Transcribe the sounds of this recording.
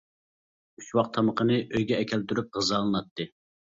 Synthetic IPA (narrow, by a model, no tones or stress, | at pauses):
yt͡ʃwɑq̚t̪ʰɑməqənɨʔøjɡʲɛːkʲʰɛlt̪ʰyɾyp̚ʁəzɑlˠɨnɑt̪ːɨ